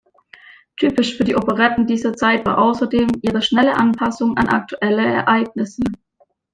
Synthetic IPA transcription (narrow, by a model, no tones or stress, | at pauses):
tʰyːpɪʃfyːɐdiːʔopəʁɛtn̩diːzɐt͡saɪtv̥aːɐʔaʊsɐdeːmʔiːʁəʃnɛləʔanpʰasʊŋa̰nʔa̰k̚tʰuʔɛləɛ̰ɐʔaɪɡ̚nɪsə